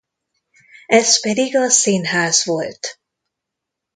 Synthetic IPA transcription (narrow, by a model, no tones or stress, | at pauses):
ɛspɛd̪iɡɒsiːnɦaːzʋo̞lt̪